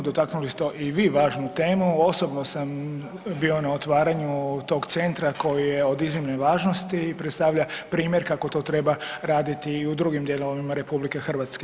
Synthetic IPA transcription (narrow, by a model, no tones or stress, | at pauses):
d̪o̞t̪aknulist̪e̞ʔiʋiːʋaːʒnut̪e̞ːmuo̞so̞bnosam | bio̞nao̞t̪ʋaːɾaɲut̪o̞ɡt̪se̞nt̪ɾako̞jije̞o̞d̪izʋimneʋaːʒno̞st̪iːpɾet̪st̪aʋʎapɾiːmje̞ɾkako̞t̪o̞ːt̪ɾe̞baɾaːd̪it̪iːud̪ɾuɡimd̪je̞loʋaʋimaɾe̞publike̞xr̩ʋat̪ske